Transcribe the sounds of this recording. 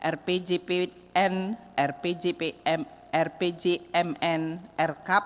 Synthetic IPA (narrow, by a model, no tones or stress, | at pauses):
ʔɛrped͡ʒepe | ɛnʔɛrped͡ʒepeɛm | ɛrped͡ʒeɛmɛnʔɛrkap̚